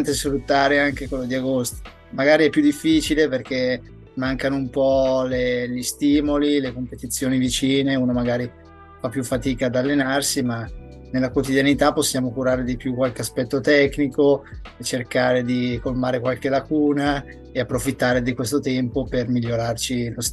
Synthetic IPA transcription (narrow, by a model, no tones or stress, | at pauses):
nt̪esfɾut̪ːaːɾeaŋkekwelːod̪iaɡost̪i̥ | maɡaːɾiɛpːjud̪ːifːiːt͡ʃileperk̟e | mːaŋkanoumpɔleʎist̪iːmolilekompet̪it̪sːjoːnivit͡ʃiːneuːnomaɡaːɾi | fapːjufːat̪iːkaːd̪alːenarsima | nelakwot̪id̪janit̪apːosːjaːmokuɾaːɾed̪ipjukwalkeaspɛt̪ːot̪ɛkːnikoet͡ʃerkaːɾed̪ikolmaːɾekwalk̟elakuːna | eapːɾofit̪ːaːɾed̪ikwest̪ot̪ɛmpopermiʎːoɾart͡ʃilos